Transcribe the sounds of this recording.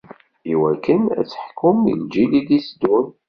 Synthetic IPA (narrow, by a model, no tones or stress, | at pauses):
iwækːənæ̰t͡sːə̥ħkːʊmḭld͡ʒilid̪isd̪un